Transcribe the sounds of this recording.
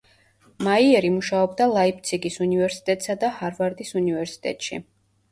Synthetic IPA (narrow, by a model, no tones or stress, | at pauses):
maiɛɾimuʃaɔbd̪alˠaip̚t̪sʰiɡisunivɛɾsi̥t̪ʼɛt̪ʼsad̪ahaɾvaɾd̪isunivɛɾsi̥t̪ʼɛ̰t̪ʼʃḭ